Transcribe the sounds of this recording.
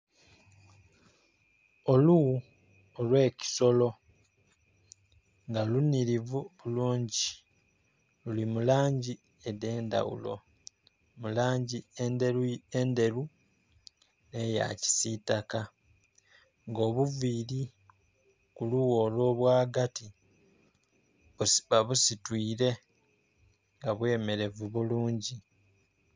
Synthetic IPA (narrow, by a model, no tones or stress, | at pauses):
o̞luwu | olwe̞ːci̥so̞lo̞ | ŋɡalunːiɾivuβuluːɲɟi | lulimulaːɲɟi | ede̞ːnda̰wṵlo̞̰ | mulaːɲɟiende̞lue̞nde̞ɾu | ne̞ja̰ci̥sitaka | ŋɡo̞ːβuviːɾi | kuluwo̞ːlo̞ːβwaːɡati | βusβaβusitwiːɾe̞ | ŋɡaβwe̞ːme̞ɾe̞vuβuluːɲɟi